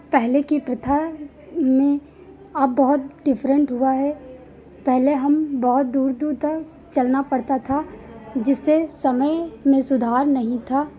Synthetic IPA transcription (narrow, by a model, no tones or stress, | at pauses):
pɛɦlekipɾɪt̪ʰa | mẽ | ɐbːɔɦʊt̪̚ɖɪfʰɾə̃ɳʈɦʊaɦɛ | pɛɦleɦɐmbɔɦʊt̪̚d̪uːɾd̪uːɾt̪ɐk | t͡ʃɐlnapɐɽt̪at̪ʰad͡ʒɪsːesɐməjmẽsʊd̪ʱaːɾnɐɦĩt̪ʰaː